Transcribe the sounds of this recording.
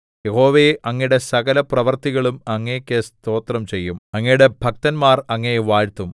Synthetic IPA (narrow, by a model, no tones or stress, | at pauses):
je̞ho̞ːʋeʔɐŋːijɽe̞sɐɣɐlɐprɐʋɐrt̪iɣɐɭumɐŋːɐjkʲːest̪o̞ːt̪rɐmt͡ɕe̞jːumɐŋːɐjuɽe̞bʱɐk̚t̪ɐnmaːrɐŋːɐjeʋaːɻt̪ːum